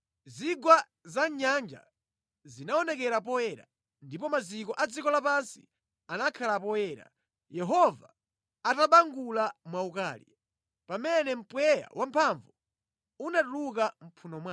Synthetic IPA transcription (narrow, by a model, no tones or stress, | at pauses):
ziɡwa | zaɲand͡ʒa̰ | zinaɔnɛkɛɾapɔjɛɾa̰ | ndipɔmazikɔʔad͡zikɔlapansḭ | anakʰalap̬ɔɛːɾa̰ | jɛɦɔvaː | taɓaŋɡulamwauka̰ːlḭ | pamɛnɛm̩pwɛja̰wʔampʰaɱvɔ | unaɗulukam̩pʰunɔmwa